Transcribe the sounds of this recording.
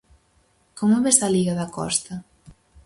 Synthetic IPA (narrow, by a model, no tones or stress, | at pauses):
kɔmuβesaliɣaðakɔ̰st̪a